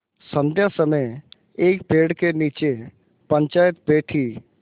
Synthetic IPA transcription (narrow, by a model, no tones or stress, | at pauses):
sə̃nd̪ʱjasəməj | eːkpeːɽkeniːt͡ʃe | pə̃ɲt͡ʃaːjət̪̚beːʈʰi